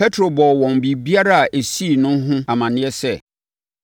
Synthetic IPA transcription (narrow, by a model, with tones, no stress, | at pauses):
pɛ˦tʰɾo˨bɔ˨wɔ̃˨nbi˨bi˦a˦ɾa˦a˨ʔe˨si˦˨nʊ̃˦n˦ɦʊ̃˦a˨mã˨nɪ̃˦ɛ˦sɛ˦